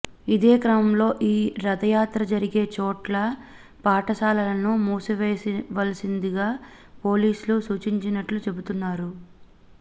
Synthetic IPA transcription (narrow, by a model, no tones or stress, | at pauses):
id̪e̞ːkɾɐmɐmlo̞ːʔiːɾɐd̪ɐjaːt̪ɾɐd͡ʒɐɾiɡe̞ːt͡ʃoːʈlɐ | paːʈɐsaːlɐlɐnumuːsiʋeːʋɐlɐsind̪iɡaː | po̞ːliːsulusuːt͡ʃiɲt͡ʃinɐʈlut͡ʃe̞but̪unːaːɾu